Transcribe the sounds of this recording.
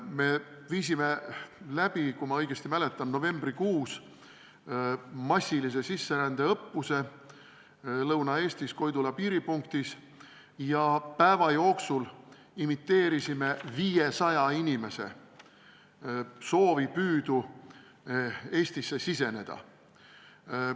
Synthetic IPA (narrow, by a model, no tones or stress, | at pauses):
me̞viːs̬ime̞læb̥ikumɑɤ̞jɡ̥e̞st̪imæle̞t̪ːˑɑnno̞ve̞mbrikuːs | mɑsʲːilis̬e̞sisːe̞ɾænd̪̥e̞ɤpːuse̞ | lɤwnɑe̞ːst̪isko̞jd̪ulɑpiːɾipuŋkt̪is | jɑpæevɑjo̞ːksul | imit̪ːe̞ːɾisime̞viːjesɑjɑinʲime̞se̞̰ | so̞ːvipyːd̪̥u | e̞ːst̪isːe̞sise̞ne̞d̪̥ɑ̰